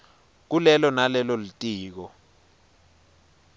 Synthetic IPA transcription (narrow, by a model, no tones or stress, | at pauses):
k̬ulɛlɔnalɛlolitʼiːk̬ɔ